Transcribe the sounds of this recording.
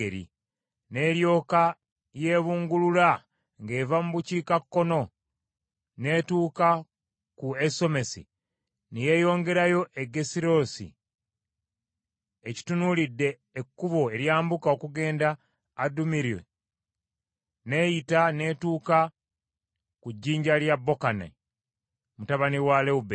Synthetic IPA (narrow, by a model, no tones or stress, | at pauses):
eɾḭ | ne̞ːɾjo̞ːka | je̞ːβuːŋɡulula | ŋɡe̞ːvamuβuciːkakːo̞no̞ | ne̞ːtuːka | kueso̞me̞sḭ | nije̞ːjo̞ːŋɡe̞ɾajo̞ʔeɡe̞siɾo̞ːsḭ | eci̥tunulidːe̞ː | kːuβo̞e̞ɾjaːmbukao̞kuɡe̞ːndaː | dumiɾiwḛ | ne̞jitane̞ːtuːka | kuɟːiːɲɟaljabːo̞kana̰ | mutaβaniwaleube